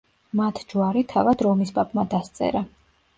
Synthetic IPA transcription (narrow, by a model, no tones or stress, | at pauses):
mat̪ʰd͡ʒuaɾit̪ʰavad̪ɾɔmispʼapʼmad̪ast̪sʼɛ̰ɾa